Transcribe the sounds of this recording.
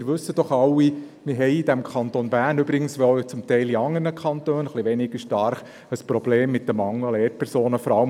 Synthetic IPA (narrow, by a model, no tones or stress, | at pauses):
ɾʋɵsːəd̥ɔχɑlːi | mɪɾɦɛɪid̪æmkʰɑnt̪onbæːɾnʏbɾɪɡ̥ənsʋot͡sʊmt̪ɛɪliɑŋːərnəkʰχɑnt̪øːnχliʋɛnɪɡ̥əʃtɑɾχ | əspɾɔbleːmːɪt̚dəmɑŋəleːɾt̚pʰɛɾsoːnəfɔɾɑl